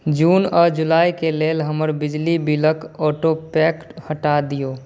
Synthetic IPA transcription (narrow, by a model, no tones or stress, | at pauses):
d͡ʒuːnɔːɾd͡ʒʊlaːikeleːlɦəməɾbɪd͡ʒlibɪləkɔːʈopɛːkʈhəʈad̪ijoː